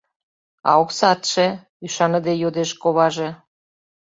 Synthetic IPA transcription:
ɑ̰oksɑt̪ʃĕ | yʃɑnə̆d̪ejod̪eʃkoβɑʒe

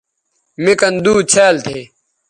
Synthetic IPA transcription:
mekɐnd̪uːt͡ɕʰaːlt̪ʰeː

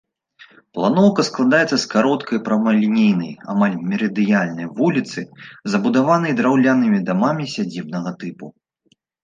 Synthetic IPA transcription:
plˠanɔwkɐsklˠad̪ajɛt̪sɐskaɾɔt̪kɐjpɾɐmɐlʲinʲijnɐ̰ja̰malʲmʲɛɾɐd̪ɨjalʲnɐjvulʲit̪sɨzɐbud̪avanɐjd̪ɾawlʲanɨmʲid̪amamʲisʲad͡zʲibnɐɣɐt̪ɨpu

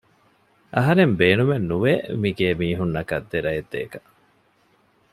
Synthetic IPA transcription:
ʔɐɦɐɾembeːnumenːuʋeːmiɡeːmiːɦunːɐkɐd̪ːeɾɐjed̪ːḛːkɐ

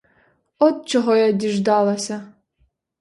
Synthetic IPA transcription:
ɔt̪̚t͡ʃɔɦɔjadʲiʒd̪ɑlˠɐsʲɐ

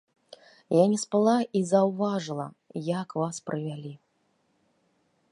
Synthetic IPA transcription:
janʲɛspalˠaizawvaʐɨlˠɐ̰ | jakvaspɾʔɨvʲalʲi

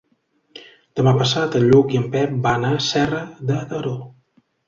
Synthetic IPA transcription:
d̪̥əmapəsat̪əʎːukiəmpɛp̚baːnasɛrəðət̪əɾo

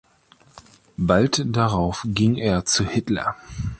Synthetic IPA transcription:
baltd̥aʁaʊfɡɪŋeːɐt͡suhɪtlɐ̰

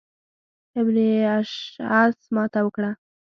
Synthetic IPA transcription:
ɪbniaʃasmɑt̪awəkɽa

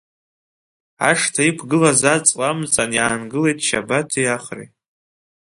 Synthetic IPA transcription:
a̰ʂtʰaipʰɡɨlazat͡sʼwʼamt͡sʼanjaːnɡɨle̞jtʼʰʃa̰batʰijaχrḛ

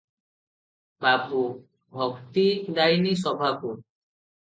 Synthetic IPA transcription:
babu | bʱɔkt̪id̪ajnisɔbʱaku

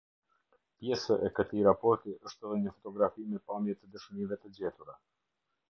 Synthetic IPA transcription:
pjɛsəʔɛkət̪iɾapɔɾt̪iʔəʃt̪ɛðɛɲəfɔt̪ɔɡɾafimɛpamjɛt̪əd̪əʃənivɛt̪əd͡ʑɛt̪uɾɛ

